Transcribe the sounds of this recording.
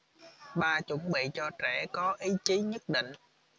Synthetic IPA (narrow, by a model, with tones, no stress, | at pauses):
ɓaː˧t͡ɕə˧˩˦ŋ͡mɓḭ˧˨t͡ɕɔ˧t͡ɕɛ˧˩kɔ˨˦ʔi˨˦t͡ɕi˨˦ɲə˦˥t̚ɗḭ̈˧˨ŋ̟